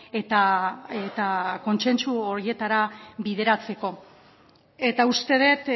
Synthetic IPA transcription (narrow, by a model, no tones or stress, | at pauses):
e̞t̪aet̪ako̞nse̞nt͡suoɾie̞t̪aɾaβið̞e̞ɾat͡se̞ko̞ | e̞t̪aust̪e̞ð̞e̞t̪